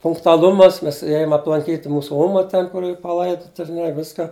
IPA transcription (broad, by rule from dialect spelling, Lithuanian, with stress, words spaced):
pʊŋktʊɐˈlˠʊmɐs ˈmʲɛs ˈeːjʊm ɐplˠɐŋʲˈkʲiːtʲ ˈmuːsʊ ˈoːmɐ ˈtʲɛn kʊr ˈiːr pɐˈlˠɐɪdʊtɐ ɪr ˈnʲɛ ˈʋʲɪskɐ